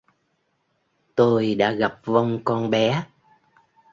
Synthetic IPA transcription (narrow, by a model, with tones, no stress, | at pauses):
t̪o˧jɗa̰ː˧˥ɣa˨˩p̚və˧wŋ͡mkɔ˧nɓɛ˨˦